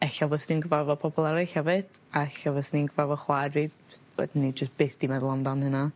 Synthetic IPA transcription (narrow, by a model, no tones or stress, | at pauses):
ɛɬavɔsninɡəvavɔpʰɔbɔlˠɛɾɪɬhɛvɨd̥ | aɛɬavɔsninɡəvavɔχwadvidwɛ̰dɪnid͡ʒəsb̥ɪːθd̥imɛðlˠɔndɔnhɨna